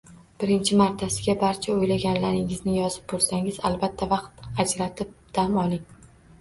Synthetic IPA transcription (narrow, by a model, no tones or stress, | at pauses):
b̥ɪɾɪnt͡ʃʰɪmaɾt̪ʰasɪɡʲabaɾt͡ʃʰaojlaɡʲanlaɾɪŋɪznɪjɒzɪp̚bolˠsaŋɪzalbat̪ʰːavɑqt̪ad͡ʒɾat̪ʰɪp̚d̪̥amɒlˠɪŋ